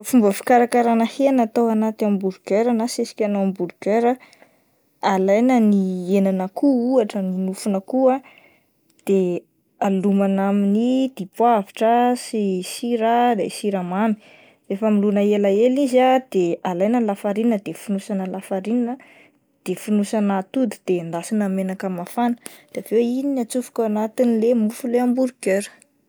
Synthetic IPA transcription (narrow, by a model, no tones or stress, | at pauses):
fumbəfi̥kaɾakaɾanəhenat̪awanat̪amibuɾɡeɾanasesi̥kʲanoambuɾɡeɾə | alajnənienanəkuuaʈ͡ʂəninufunəkua | d̪̥e | alumanaminid̪̥ipwaviʈ͡ʂəsisiɾad̪ḛsiɾamami̥ | refəmilunəelaelizad̪̥ealajnəlafaɾinəd̪efunusanəlafaɾininə | d̪̥efunusanat̪ud̪i̥d̪̥end̪asinamenakamafanə̥d̪̥eavewininiat͡sufi̥kʲaanat̪inilemufuleambuɾuɡøɾ